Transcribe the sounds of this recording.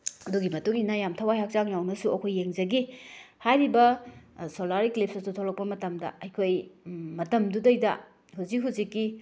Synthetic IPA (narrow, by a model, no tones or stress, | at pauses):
ɐduɡimɐtuŋinajamtʰawajhak̚zaŋnawnɐsuɐkʰojːeŋzɐɡihajɾibɐsolaɾiklipsɐsutʰolɐk̚pɐmɐtɐmdɐ̰ɐjkʰojmɐtɐmdudɐjdɐ̰ | huzik̚ɦuzikːi